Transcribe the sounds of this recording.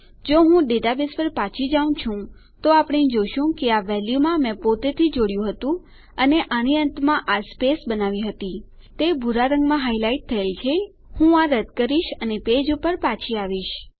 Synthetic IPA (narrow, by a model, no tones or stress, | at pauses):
d͡ʒoɦũɖeʈabespəɾpat͡ʃʰid͡ʒaũt͡ʃʰũ | t̪oapəɽ̃ed͡ʒoʃũkeaʋɛljumãmɛ̃pot̪et̪ʰid͡ʒoɽjũɦət̪ũ | əneʔañiənt̪mãʔaspesbənaʋĩɦət̪i | t̪ebʱuɾaɾəŋɡmãɦailaiʈ̚t̪ʰːəelt͡ʃʰe | hũaɾəd̪kəɾiʃəneped͡ʒupəɾpat͡ʃʰiaʋiʃ